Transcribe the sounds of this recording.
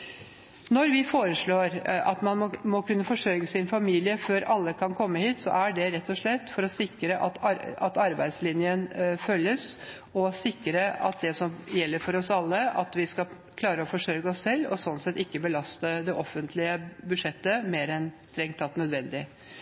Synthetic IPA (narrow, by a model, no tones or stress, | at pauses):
nɔɾʋɪfoːɾəʂɭoːɾɑ̰t̪mɑnmɔkʉnːəfɔʂøɡəsɪnfɑmiːlɪəføːɾɑlːəkʰɑnkʰɔmːəhiːt̪sɔ̰ʔæɖɛɾɛt̪ːɔʂɭɛt̪ːfɔɾɔsɪkːɾəʔɑt̪ɑɑt̪ɑɾbæɪd̪slɪnjənfœlːəs | ɔsɪkːɾəɑ̰t̪̚d̪ɛsɔmjɛlːəɾfɔɾɔsɑlːəɑ̰t̪ʋɪskɑ | kʰlɑːɾəɔfɔʂœʏɡəɔsːɛlːɔ̰sɔnsɛt̪ːɪkːəbəlɑst̪əd̪ɛʔɔfːənt̪ʰlɪəbʉʂɛt̪ːəmeːɾɛnst̪ɾɛŋt̪ʰːɑt̪nœd̪ʋɛnd̪ɪ